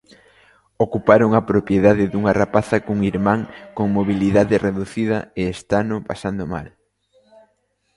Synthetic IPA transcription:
okupaɾoŋɐpɾopjeðaðɪðuŋɐrapaθɐkuŋiɾmãŋkoŋmoβiliðaðɪreðuθiðɐeest̪anʊpasand̪oma̰l

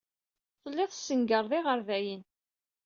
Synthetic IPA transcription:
θˤəlːɪðˤsəŋɡəɾˤðˤɪʁəɾvæjən

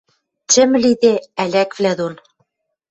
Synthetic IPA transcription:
t͡ɕɘ̆mɘ̆lid̪eælʲækvlæd̪on

